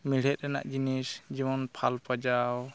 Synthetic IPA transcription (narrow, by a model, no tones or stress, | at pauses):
miɽ̤ɛt̪̚ɾɛna̰ʔd͡ʒinisd͡ʒibɔnpʰalpad͡ʒaw